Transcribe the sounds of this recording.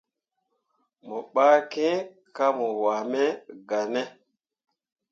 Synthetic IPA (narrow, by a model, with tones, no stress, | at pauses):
mɔ˨ɓaː˦kẽ˦ | ka˦mɔ˨wa˨mɛ˦ɡa˨nɛ˦